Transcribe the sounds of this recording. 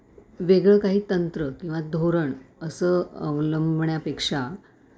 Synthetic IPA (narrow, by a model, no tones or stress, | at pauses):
ʋeɡɭəkaɦiːt̪ənt̪ɾəkĩw̃ʋad̪ʱoɾəɳəsəːə̰ʋləmbʱɳjapekʂa